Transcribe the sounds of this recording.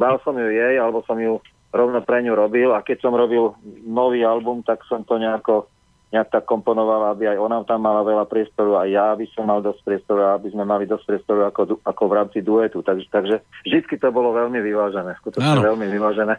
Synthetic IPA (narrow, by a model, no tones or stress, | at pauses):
balsɔmjujɛjalɛbɔsɔmju | ɾɔʊnɔpɾɛɲuɾɔbilakɛcsɔmɾɔbilnɔʋiːalbumt̪aksɔmt̪ɔɲɛakɔ | ɲɛak̚t̪akːɔmpɔnɔʋalabiajɔnat̪amːalaʋɛlapɾɪɛst̪ɔɾuajjabisɔmːald̪ɔsc̚pɾɪɛst̪ɔɾuaabizmɛmalid̪ɔsc̚pɾɪɛst̪ɔɾuakɔuakɔʋɾaːmt͡sid̪uɛt̪ut̪aɡt̪aɡʒɛvʒd̪it͡skit̪ɔbɔlɔʋɛlmiʋiʋaːʒɛnɛːskut̪ɔt͡ʃɲɛʋɛlmiʋiʋaːʒɛnɛː